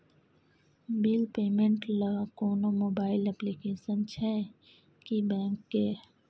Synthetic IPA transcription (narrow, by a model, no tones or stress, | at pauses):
bilpeːmẽɳʈləkoːnomoːbaːɪlɛplikeːsənt͡ʃʰɛ | kibɛ̃ːŋkːeː